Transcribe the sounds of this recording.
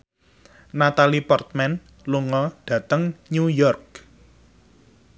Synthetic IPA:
nat̪alipɔrt̪̚mɛn | luŋɔɖ̥ä̤t̪əŋɲujɔrk̚

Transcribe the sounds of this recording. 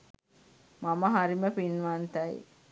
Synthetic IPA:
maməɦaɾiməpinʋant̪əj̰

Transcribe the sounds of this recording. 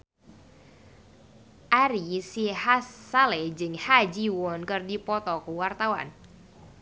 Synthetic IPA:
ʔaɾisihasalɛd͡ʒɨŋhad͡ʒiwɔnkɨrdipɔt̪ɔkuwart̪awa̰n

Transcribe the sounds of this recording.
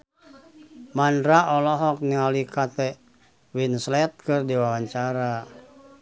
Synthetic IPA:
mandɾaɔlɔɦɔk̚nialikat̪ɛ | winslɛt̪̚kɨrdiwawaɲt͡ʃaɾa

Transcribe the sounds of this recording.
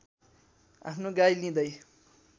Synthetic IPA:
a̰pʰnoɡajlĩd̪ʌj

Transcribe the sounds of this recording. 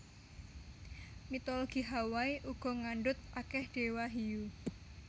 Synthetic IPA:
mit̪ɔloɡ̥i̤ɦawaiʔuɡ̥ɔ̤ŋaɳɖʊt̪̚akɛhɖ̥ewaɦiju

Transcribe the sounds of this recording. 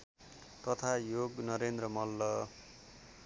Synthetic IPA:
t̪ʌt̪ʰajoɡnʌɾend̪rʌmʌlːʌ

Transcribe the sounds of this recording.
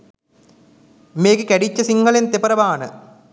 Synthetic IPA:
meːkɯkɐɽit͡ɕːɐsiŋɡɐɭent̪epɐɾɐʋaːɳɨ̰

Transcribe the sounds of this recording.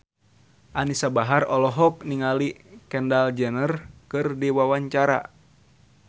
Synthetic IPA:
ʔanisabaɦarɔlɔɦɔk̚niŋalikɛndald͡ʒɛnərkɨrdiwawaɲt͡ʃaɾa̰

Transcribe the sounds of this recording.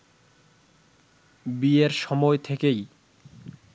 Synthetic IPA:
bieɾʃɔmɔet̪ʰekej

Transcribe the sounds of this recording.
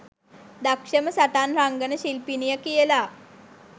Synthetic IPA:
d̪akʂəməsaʈanɾaŋɡənəɕilpinijəkijəla

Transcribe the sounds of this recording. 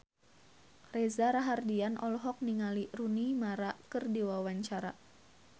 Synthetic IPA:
rezaɾaɦardianɔlɔɦɔk̚niŋalirunimaɾakɨrdiwawaɲt͡ʃaɾa

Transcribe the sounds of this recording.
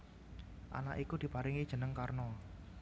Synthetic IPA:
ʔa̰na̰ʔikud̪̥i̤paɾɪŋid̥ʒ̥ə̤nəŋkarnɔ

